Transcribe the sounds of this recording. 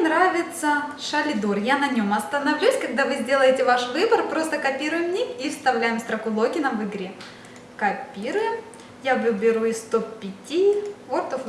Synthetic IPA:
nɾavʲɪt̪səʂɐlʲɪd̪urjanɐnʲo̞mɐst̪ənɐvlʲusʲkɐɡ̚d̪avɨzʲdʲe̞lˠəjɪtʲɪvaʂvɨbərpɾo̞st̪əkɐpʲiɾʊjɪmnʲikifst̪ɐvlʲæjɪmst̪ɾɐkʊlˠokʲɪnɐvɨɡɾʲe | kɐpʲiɾɨ | javɨbʲɪɾuɪst̪oppʲːɪtʲivort̪of

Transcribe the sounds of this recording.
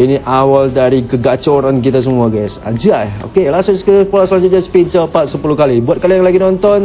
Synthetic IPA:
iniʔawaldaɾikəɡat͡ʃoɾankit̪as̬əmuaɡɛsa̰d͡ʒiao̰kelasʊnskəpolasəlaɲd͡ʒʊt̪̚d͡ʒasə̥pid͡ʒəpat̪̚səpulukalibuat̪̚kalijaŋlaɡinɔnt̪ɔn

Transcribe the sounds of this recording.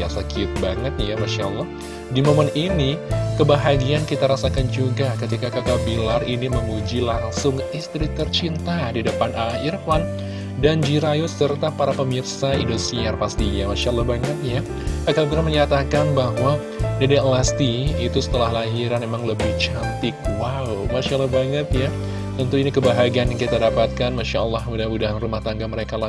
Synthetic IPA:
asakiʊt̪̚baŋət̪̚jamaʃalːɔh | dimoməninikəbaɦaɡiankit̪aɾasakand͡ʒuɡakət̪ikakakabilariniməmud͡ʒilaŋsʊŋist̪ɾit̪ərt͡ʃint̪adidəpanahirfan | dand͡ʒiɾajosərt̪apaɾapəmirsaindosiarpast̪iɲamaʃaʔɑlˠːɑhbaŋət̪̚ja | kakalok̬iɾaməɲat̪akanbaɦwa | dadiʔəlast̪iit̪usə̥t̪əlahlaɦiɾanmemaŋləbɪht͡ʃant̪ɪk̚wa | wmaʃalːɑhbaŋət̪ja | t̪ənt̪uinikəbaɦaɡianjaŋkit̪adapat̪̚kanmaʃaəlːɑhudaɦanudaɦanrumaht̪aŋɡaməɾekala

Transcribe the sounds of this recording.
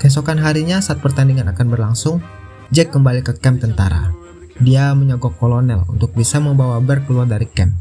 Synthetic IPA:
kɛs̬okanɦaɾiɲasaʔːt̪̚pərt̪andiŋanakanbərlaŋsʊŋ | d͡ʒɛkːəmbalikəkɛmt̪ənt̪aɾa̰ | diaməɲaɡɔkːolonɛlṵnt̪ʊk̚bisaməmbawabərkəluardaɾikɛm

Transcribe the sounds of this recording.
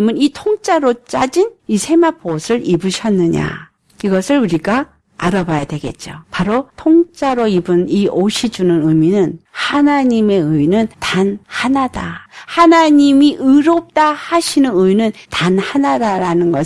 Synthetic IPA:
mɯnitʰoŋt͡ɕ͈aɾot͡ɕ͈ad͡ʑinisʰe̞mapʰosʰɯɾibɯɕʰʌnːɯɲa̰ | iɡʌsʰɯɾuɾiɡa | aɾabajadwe̞ɡe̞̰t̚t͡ɕ͈opaɾotʰoŋt͡ɕ͈aɾoibɯnioɕʰid͡ʑunɯnɯminɯnhanaɲime̞ɯinɯntanhanadahanaɲimiʔɯɾop̚t͈ahaɕʰinɯnɯjnɯntanhanadaɾanɯnɡʌ

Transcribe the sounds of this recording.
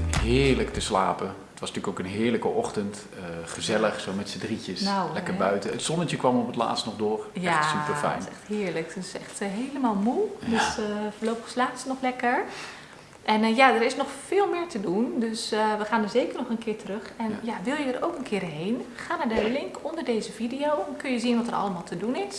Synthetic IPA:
ɦɪːɹləktəsla̰ːpəətʋɑsntyːəkokənɦɪːɹləkəʔɔχtənt | əχəzɛləχsoːmɛtsədricəsnawlɛkəɹbœɥtəətsɔnəjəkʋɑmɔpətla̰ːtstnɔχdʊːɹjɛatsypəfɛ̰jnsɛxtɦɪːɹləkətɪsɛxtɦejləmalˠmuldøsfəːɹloːpəxslaːsnɔxlɛkəɹ | ʔɛnjadəɾɪsnɔxfɪːlˠmɪːɹtədundøsʋəχaːnəzejkəɹnɔχənkɪːɹtərøxɛnjaʋɪlˠjəəro̰wkənkʰɪːɾɦejnχaːnaɹdəlɪŋkʰɔndəɹdejzəvidijowɛnkɵnjəzinʋɔtərʔɑ̰ləmaːlˠtʰədunɪs

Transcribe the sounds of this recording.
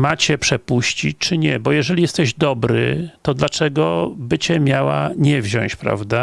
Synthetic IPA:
mat͡ɕɛpʂɛpuɕt͡ɕit͡ɕʲt͡ʂɘɲɛbɔjɛʐɛlʲijɛst̪ɛʑd̪ɔbɾɘ̰t̪ɔd̪lat͡ʂɛɡɔbɘt͡ɕɛmʲjawa̰ɲɛvʑɔ̰̃t͡ɕpɾa̰vd̪a

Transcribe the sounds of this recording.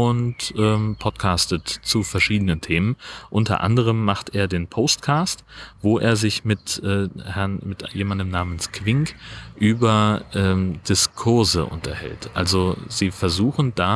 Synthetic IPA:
ʊntʔɛːmpʰɔtkʰaːstətt͡sufɛɐʃiːdənəntʰeːmənʔʊntɐ̰ʔa̰ndəʁ̞əmːaχtʔeːɐdeːnpʰostkʰaːstv̥oːʔḛːɐzɪçmɪtʔɛːhɛɐnmɪtjeːmandəmnaːmənskv̥ɪŋkʔyːbɐʔɛːmd̥ɪskʰʊɐzəʔʊ̰ntɐhɛ̰ltʔa̰lzoziːfɛɐzuːxn̩d̥aː

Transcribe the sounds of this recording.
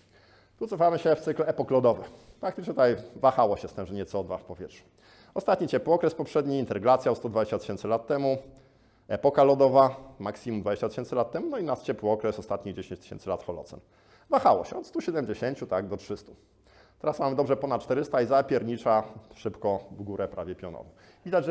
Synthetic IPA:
t̪ut̪sɔfamɘɕɛft̪sɘklɛpɔklɔd̪ɔvɘxpɾakt̪ɘt͡ʂɲʲɛt̪ajvaxawɔɕɛst̪ɛmʐɛɲɛt̪sɔd̪va̰fpɔvʲjɛtʂu̥ | ɔst̪at̪̚ɲit͡ɕɛpwɔkɾɛspɔpʂɛd̪ɲiint̪ɛɾɡlat̪sʲjaɔst̪ɔd̪vad͡ʑeɕt͡ɕat̪ɘ̥ɕɛnt̪sɘlat̪ːɛmu | ɛpɔkalɔd̪ɔvamaksʲimumd̪vad͡ʑeɕt͡ɕat̪ɘ̥ɕɛnt̪sɘlat̪ːɛmunɔinat̪t͡ɕɛpwɘɔkɾɛsɔst̪at̪ɲiɣd͡ʑeɕẽɲt͡ɕt̪ɘ̥ɕɛ̰nsɘlat̪xɔlɔ̰t̪sɛ̰n | vaxawɔ̰ɕɛɔt̪st̪uɕɛd̪ɛmd͡ʑeɕeɲt͡ɕut̪aɡd̪ɔtʂɘst̪u̥ | t̪ɛɾasmamɘd̪ɔbʐɛpɔnat̪̚t͡ʂt̪ɛɾɘst̪aizapʲjɛɾɲit͡ʂaʂɘpkɔvɡuɾɛpɾʔavʲjɛpʲjɔnɔ̰vɔ̰̃w̃ | vʲid̪ad͡ʑʐ

